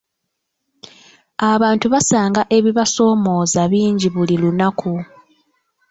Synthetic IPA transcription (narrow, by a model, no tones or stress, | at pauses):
aβaːntuβasaːŋɡaʔe̞βiβaso̞ːmo̞ːzaβiːɲɟiβulilunakʰu